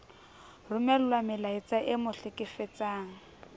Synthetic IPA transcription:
rʊmɛlʊlwamɪlait͡saʔɪmʊɬɪkʼɪfɛt͡saːŋ̩

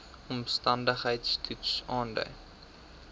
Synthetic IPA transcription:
ɔmstɐndəχɦəjtstʰutsɑːndœ̰ɥ

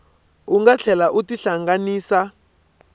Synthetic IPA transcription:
uŋɡat͡ɬʰɛlaʔutiɬaŋɡaniːsa

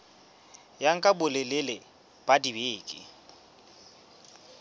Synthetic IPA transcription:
jaŋ̩kʼabʊlelelɪ | b̥adibeːkʼɪ̰

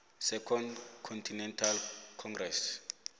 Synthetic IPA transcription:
sɛkʰɔndkʰɔntʰinɛntʰalkʰɔŋɡrɛs

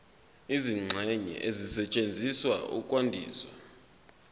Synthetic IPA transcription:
iziŋ͡ǀʱɛɲɛ̰ʔezisɛt͡ʃʼend͡zʱiswa̰ṵkʼwandʱiːswa

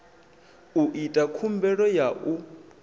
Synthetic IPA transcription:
uʔitʼakʰumbɛɺɔjaʔu

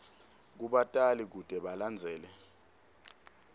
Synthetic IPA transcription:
k̬uɓatʼalik̬ud̥ʱɛɓaland͡zʱɛːlɛ

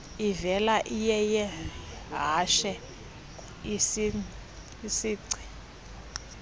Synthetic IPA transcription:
ivɛlaʔijɛjɛɦaʃɛ | isi | isiːǀʰi̥

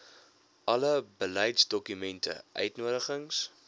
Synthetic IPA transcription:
ʔɐləbəlɛjtsdɔkymɛntʰə̰ʔœ̰ɥtnuəɾəχəŋs

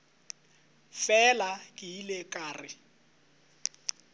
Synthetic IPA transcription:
fɛlakʼɪilekʼaːrɪ

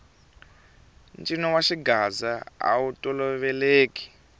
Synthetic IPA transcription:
nt͡ʃʼinɔwaʃiɡazaa̰utʼɔlɔβɛleːki̥

